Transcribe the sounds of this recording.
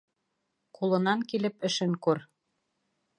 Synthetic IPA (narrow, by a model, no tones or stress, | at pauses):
qulˠɤ̆nɑŋkilɘ̆pɘ̆ʃɘ̆ŋkuɾ